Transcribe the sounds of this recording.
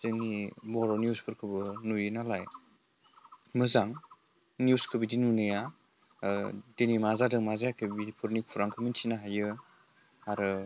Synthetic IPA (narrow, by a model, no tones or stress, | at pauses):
z̥ɯnibɔɾɔniuspʰɯɾkʰɯbɯnujinalaj | mɯzaŋ | njuskʰɯbidinunɯja | denimazadɯŋmazajakʰɯbipʰuɾnik̚pʰuɾaŋkʰɯmintʰinaɦajɯ | aɾɯ